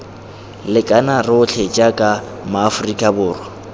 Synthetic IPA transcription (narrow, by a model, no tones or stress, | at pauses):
lɪkʼanarɪʊt͡ɬʰet͡ʃʼakʼa | maːfʊrikʼabʊːrwɔ